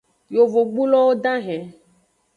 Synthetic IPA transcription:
jo˨vo˨ɡ͡bu˦lɔ˦wo˦ɖ̪ã˦ɦɛ̃˨

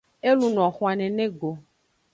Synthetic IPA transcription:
e˦lu˨ñ˨ɔ̃˨xũ˨a˨nɛ̃˨nẽ˦ɡo˨

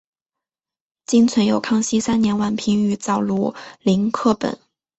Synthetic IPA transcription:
t͡ɕi˥nt͡sʰwə˧˥njo˨˩ʊkʰɑ˥˧ŋɕi˥sa˥nnjɛ˧˥nwa˥˩npʰi˧˥ŋy˧˩t͡sɑ˥˩ʊlu˥˩li˧˥ŋkʰɤ˥˩pə̰˨˩˦n

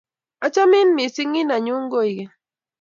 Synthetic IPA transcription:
a˦t͡ʃa˦mi˦nmi˨si˦ŋi˦na˨ɲu˦ŋɡo˦jɡe˨

